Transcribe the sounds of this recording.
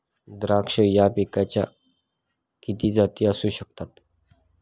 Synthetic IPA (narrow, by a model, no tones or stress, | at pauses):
d̪ɾakʂəjapikat͡ɕja̰ | kit̪iːd͡zat̪iːəsuːɕəkt̪at̪